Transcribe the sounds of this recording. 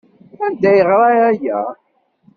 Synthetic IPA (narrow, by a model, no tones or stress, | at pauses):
ænd̪æjəʁɾˤɑæjæ̰